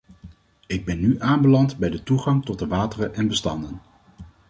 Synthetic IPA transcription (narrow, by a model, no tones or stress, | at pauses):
ɪɡ̚bɛnːyʔaːmbəlɑntbɛjdətuχɑŋtɔt̚dəʋaːtərəʔɛnbəstɑndən